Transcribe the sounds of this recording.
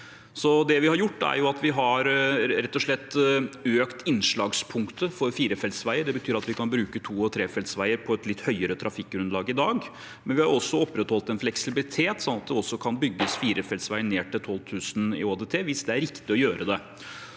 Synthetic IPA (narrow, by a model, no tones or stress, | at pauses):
sɔd̪ɛʋɪhɑɾjʊʈːæ̰ɾjʊɑt̪ʋɪɦɑɾɾɛt̪ːɔʂɭɛt̪ːøːkt̪ɪnʂɭɑːɡspʰʊŋkt̪əfɔɾfiːɾəfɛlsʋæɪəɖɛbət̪ʰyːɾɑt̪ʋɪkʰɑnbɾʉːkət̪ʰuːɔt̪ʰɾeːfɛlsʋæɪəɾpʰɔɛt̪lɪt̪ːhœʏəɾət̪ʰɾʔɑfɪkːɾʉnlɑːɡɪd̪ɑːɡ | mɛnʋɪhɑɾɔsːɔɔpːɾɛt̪hɔlt̪ɛnflɛksɪbɪlɪt̪ʰeːt̪sɔnːɑt̪̚d̪ɛɔsːɔkʰɑnbʏɡːəsfiːɾəfɛlsʋæɪəɳeːʈɪlt̪ʰɔlt̪ʰʉːsn̩ɪ̰oːd̪ɛt̪ʰeːʋɪsd̪ɛæɾɪkt̪ɪɔjøːɾʔəd̪ɛ